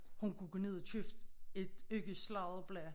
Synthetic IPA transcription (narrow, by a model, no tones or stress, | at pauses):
hunkʰuɡ̥ɔne̝ð̞̰ˠɐt͡sʰyfd̥e̝d̥øɡ̥əslɑ̈ðˠb̥lɛ